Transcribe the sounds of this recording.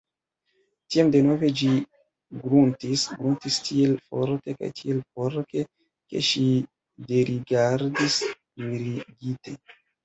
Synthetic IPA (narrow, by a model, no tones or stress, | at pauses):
tiamde̞no̞ve̞d͡ʒi | ɡɾuntisɡɾuntistʰielfo̞̰ɾte̞ka̰jtʰielpo̞ɾte̞ | ke̞̰ʃi | de̞ɾiɡaɾdis | miɾiɡite̞